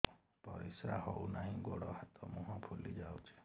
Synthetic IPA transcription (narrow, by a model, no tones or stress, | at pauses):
pɔɾisahɔwnaɦĩɡɔɽɔhat̪ɔmuɦɔ̃pʰulid͡ʒawt͡ʃʰe̥